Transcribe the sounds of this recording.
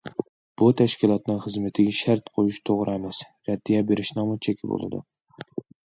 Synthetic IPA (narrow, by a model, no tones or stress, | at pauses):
b̥ut̪ʰæʃkʲilˠɑt̪nɨŋχɨzmɪt̪ʰɪɡʲɛʃæɾt̪qʰojuʃt̪ʰoʁɾɨɛmɛs | ɾɛd̪ːijɛbeɾɪʃnɨŋmʊt͡ʃʰekʲʰɪbo̰lˠɨ̰d̪ṵ